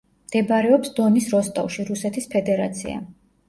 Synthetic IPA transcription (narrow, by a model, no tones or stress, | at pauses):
md̪̥ɛbɾɛɔpsd̪̥ɔnisɾɔst̪ʼa̰vʃiɾusɛt̪ʰispʰɛd̪ɛɾat̪sʰḭa̰